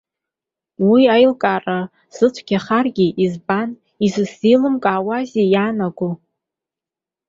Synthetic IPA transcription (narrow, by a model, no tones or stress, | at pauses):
wiajlkʼara | z̥ɨt͡ʃʷʰɡ̥ʲaχarɡʲiʔizban | izɨsilɨmkʼaːwazejanaɡʷu